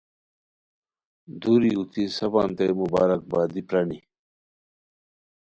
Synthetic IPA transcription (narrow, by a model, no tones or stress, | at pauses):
d̪uɾiut̪ʰisɐbaːmt̪emubaːɾɐk̚baːd̪ipɾɐni